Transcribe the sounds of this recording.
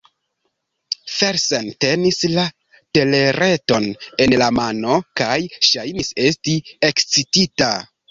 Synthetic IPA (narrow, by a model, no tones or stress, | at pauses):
fe̞ɾsente̞nisla | te̞le̞ɾe̞to̞ne̞nlamano̞kajʃajnise̞stie̞kt͡sitita